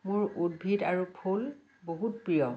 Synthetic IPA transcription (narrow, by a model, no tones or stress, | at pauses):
mʊɹudbʱidaɹupʰul | boɦut̚pɹijɔ